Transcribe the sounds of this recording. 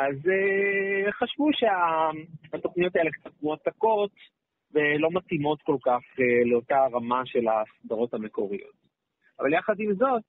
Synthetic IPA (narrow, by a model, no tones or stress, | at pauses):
ʔazeχaʃvuʃe̞aat̪o̞χnijo̞tajelekt͡sat̚kmoatako̞t | velo̞matimo̞tko̞lkaχeleotaʁamaʃe̞lasdaʁo̞thame̞ko̞ʁijo̞̰t | ava̰ljaχadimzo̞t